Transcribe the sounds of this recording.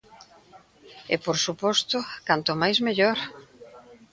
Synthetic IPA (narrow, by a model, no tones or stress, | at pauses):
ɪ̰poɾsupɔst̪ʊkant̪ʊmajzmeʎoɾ